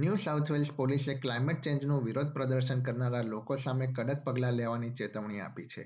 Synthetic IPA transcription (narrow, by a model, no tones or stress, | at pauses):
njusaut̪ʰʋelspoliseklaimeʈ̚t͡ʃẽɲd͡ʒnũʋiɾod̪̚ʱpɾəd̪əɾʃənkəɾnaɾalokosamekəɽət̪̚pəɡlaleʋanit͡ʃet̪əʋɳia̰pit͡ʃʰḛ